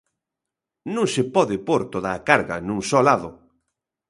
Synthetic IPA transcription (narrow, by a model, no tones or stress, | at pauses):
nũŋsepɔðɪpoɾt̪oðaːkaɾɣa̰nũŋsɔlaðʊ